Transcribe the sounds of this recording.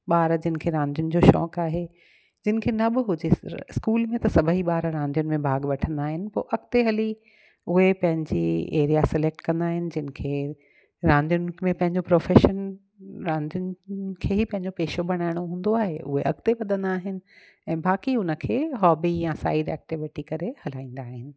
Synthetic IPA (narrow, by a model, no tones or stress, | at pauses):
ɓaːɾd͡ʑɪnɪ̆kʰeːɾãːnd̪ʱijʊnɪ̆d͡ʑoːʃɔ̰ːkaːɦe | d͡ʑɪnɪ̆kʰeːnɐbɪɦʊd͡ʑeskuːlmẽt̪ɐsɐbʱəɦiɓaːɾɾãːnd̪ʱijʊnɪ̆mẽbʱaːɡʋɐʈʰə̃nd̪aːɦɪnɪ̆po̰ːʔɐɡt̪eɦɐli | ʊɦepɐ̃ɦɪ̃ɲd͡ʑḭḛːɾijasɪleːk̚ʈkɐ̃nd̪aːɦɪnɪ̆d͡ʑɪnɪ̆kʰeː | ɾãːnd̪ʱijʊnɪmẽpɐ̃ɦɪ̃ɲd͡ʑopɾoːfeːʃən | ɾãːnd̪ijʊnɪkʰeːɦipɐ̃ɦɪ̃ɲd͡ʑopeːʃobɐɽ̃aːɪɽ̃oɦũːn̆d̪oaːɦḛʔʊ̰ɦeʔɐɡt̪eʋɐd̪ʱə̃nd̪aːɦɪnɪ̆ | ɛ̃ːbaːkiʊnə̆kʰeːɦɔːbijãsa̰ːɪɖɛ̰ːk̚ʈɪʋɪʈikɐɾehɐl̤aːĩːnd̪aːɦɪnɪ̆